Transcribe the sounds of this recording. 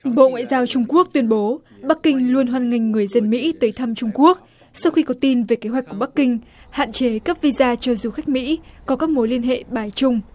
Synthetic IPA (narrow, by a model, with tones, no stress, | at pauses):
ɓo̰˧˨ŋwa̰ː˧˨jzaː˧wt͡ɕʊ˧ŋ͡mku˦˥ək̚t̪wi˧ənɓo˨˦ | ɓa˦˥k̚kï˧ŋ̟lu˧ənɦwaː˧nŋa˧˩jŋ̟ŋɨ˨˩əjzə˧nmḭ˧˥t̪əː˨˦jt̪ʰa˧mt͡ɕʊ˧ŋ͡mku˦˥ək̚ | sa˧wxi˧kɔ˨˦t̪i˧nve˨˩ke˨˦ɦwa˩k̟ku˧˩ɓkːï˧ŋ̟ha̰ː˧˨nt͡ɕe˨˦kə˦˥p̚vi˧zaː˧t͡ɕɔ˧zu˨˩xa˦˥jk̟̚mḭ˧˥kɔ˨˦kaː˦˥k̚mo˨˦jli˧ənɦḛ˧˨ɓaː˨˩jt͡ɕʊ˧ŋ͡m